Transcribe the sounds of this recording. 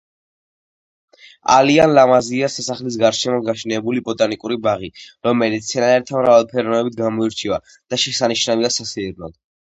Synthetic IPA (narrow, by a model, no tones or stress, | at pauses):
a̰lianlamaziasɛsaχlis̬ɡaɾʃɛmɔɡaʃnɛbulibʼɔt̪ʼanikʼuɾibaʁiɾɔmɛlit̪sʰɛnaɛɾt̪ʰamɾavalˠpʰɛɾɔmɛbit̪̚ʰɡamɔiɾt͡ʃʰiva | d̪̥aʃɛsaniʃnaviasasiɾnɔ̰d̪